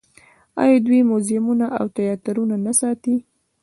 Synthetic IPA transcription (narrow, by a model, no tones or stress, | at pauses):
ɑ̰jɑd̪wimozɪmunaʔawt̪ajɑt̪aɾunanasɑt̪i